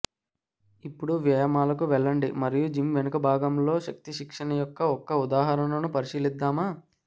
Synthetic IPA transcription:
ipːuɽuʋjɐjɐmaːlɐkuʋɛɭːɐɳɖimɐɾijud͡ʒimʋɛnɐkɐbʱaːɡɐmlo̞ːʃɐk̚t̪iʃikʂɐɳɐjɔkːɐɔkːɐud̪aːɦɐɾɐnɐnupɐɾiʃiːlid̪ːaːmaː

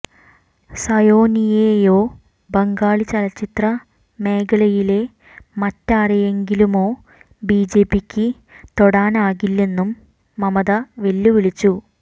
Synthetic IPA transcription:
sɐjo̞ːnijejo̞ː | bɐŋɡaːɭit͡ɕɐlɐt͡ɕːit̪rɐ | me̞ːɡɐɭɐjile̞ | mɐtːaːrije̞ŋɡilumo̞ː | biːd͡ʑeːpːikʲːɨ | t̪o̞ɽaːnaːɣilːe̞nːumː | ɐmɐðɐʋe̞lːuʋiɭit͡ɕːu

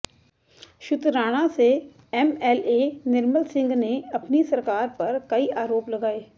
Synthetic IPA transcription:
ʃʊt̪ɾaːɽ̃ase | ɛmɛːleːnɪɾməlsɪ̃ŋɡneɐpnisɐɾkaːɾpɐɾkɐiaːɾoːplɐɡaːeː

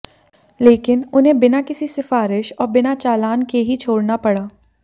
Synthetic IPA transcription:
leːkɪnʊnɦẽbɪnakɪsisɪfaːɾɪʃɔːɾbɪnat͡ʃaːlaːnkeɦit͡ʃʰoːɽnapɐɽaː

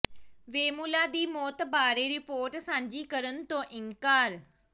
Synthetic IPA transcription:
ʋeːmulaːd̪iːmɔːt̪baːɾeːɾɪpoːɾʈsãːɲd͡ʒiːkəɾənt̪õːʔɪŋkaːɾ

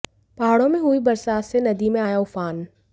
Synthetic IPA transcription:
pɐɦaːɽõmẽɦuibɐɾsaːt̪senɐd̪imẽaːjaʊfaːn

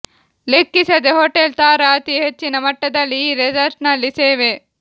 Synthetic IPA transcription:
lekːisɐd̪eɦoʈelt̪aːɾɐːt̪iɦet͡ʃːinɐmɐʈːɐd̪ɐlːiɾed͡ʒɐɾʈnɐlːiseːʋe

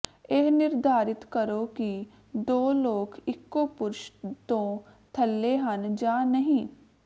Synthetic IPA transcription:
eɦnɪɾd̪ʱaːɾɪt̪kəɾoki | d̪oːloːkɪkːopʊɾʃt̪õ | t̪ʰəlːeɦɐnd͡ʒaːnəɦĩː

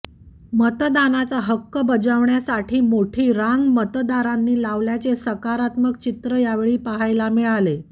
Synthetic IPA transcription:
mət̪d̪anat͡saɦəkːəbəd͡zəʋɳjasaʈʰiːmoʈʰiːɾaŋɡmət̪d̪aɾanːiːlaʋljat͡sesəkaɾat̪mək̚t͡ɕit̪ɾəjaʋeɭiːpəɦajlamiɭale

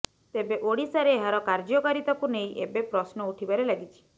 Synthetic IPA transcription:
t̪ebeʔoɽisaɾeːɦaɾɔkaɾd͡ʒɔkaɾit̪ɔkunej̃ʔebepɾɔsnɔuʈʰibaɾelaɡit͡ʃʰi̥

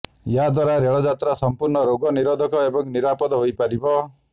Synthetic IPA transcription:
jɦad̪waɾaɾeɭɔd͡ʒat̪ɾasɔmpuɾɳɔɾoɡɔniɾɔd̪ʱɔkɔebɔŋniɾapɔd̪ɔɦojpaɾibɔ

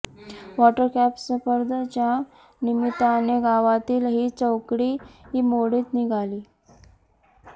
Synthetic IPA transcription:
ʋɔʈəɾkæpsəfəɾd̪ʱət͡ɕja | nimit̪aneɡaʋat̪iːlɦiːt͡səwkɽiːɦiːmoɽiːt̪niɡʱaliː

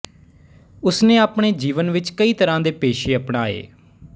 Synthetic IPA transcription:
ʊsneːaːpɳeːd͡ʒiːʋənʋɪt͡ʃkəiːt̪əɾãːd̪eːpeːʃeːəpɳaːḛː

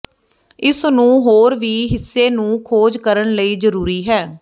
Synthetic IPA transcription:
ɪsnũːɦoːɾʋiːɦɪsːeːnũːkʰoːd͡ʒkəɾəɳləiːzəɾuːɾiːɦɛː

